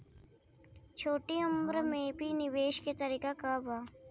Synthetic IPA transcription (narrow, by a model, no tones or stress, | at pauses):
t͡ʃʰoːʈiəmbɾmẽbʱinɪʋeːʃket̪ɐɾiːkakabaː